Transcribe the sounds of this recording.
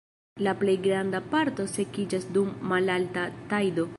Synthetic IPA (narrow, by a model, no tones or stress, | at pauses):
laple̞jɡɾandapaɾto̞se̞kid͡ʒasdumːalaltatajdo̞